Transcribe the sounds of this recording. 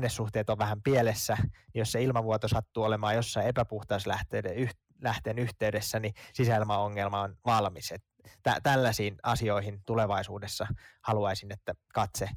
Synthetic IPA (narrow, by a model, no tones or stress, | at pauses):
nːessuht̪eːt̪oʋʋæhæmpielesːænijosseilmɑʋuot̪osɑt̪ːuːolemɑːjosːɑiepæpuht̪ɑuslæht̪eːdeyh | læht̪enyht̪eydesːænisisæilmɑoŋːelmɑonʋɑlmiset̪ | tæ̰t̪ælːæsiːnɑsio̞ihint̪uleʋɑisuːdesːɑhɑluɑisinet̪ːækɑt̪se